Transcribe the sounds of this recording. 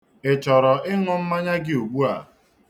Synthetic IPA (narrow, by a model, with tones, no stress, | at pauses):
ɪ˨t͡ʃɔ˨ɾɔ˨ɪ˦ŋʷʊ˦m̩˦ma˦ɲa˦ɡɪ˦o˨ɡ͡bu˦a̰˨